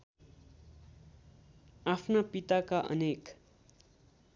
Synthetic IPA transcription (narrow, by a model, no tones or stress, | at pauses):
apʰnapit̪akaʔʌ̰nek